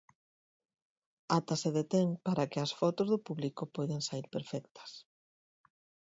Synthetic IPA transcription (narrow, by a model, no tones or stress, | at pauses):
at̪aseðet̪eŋpaɾɐkɪɐsfɔt̪ozðʊpuβlikopɔjðeŋsaiɾpeɾfɛk̚t̪ʰɐ̥s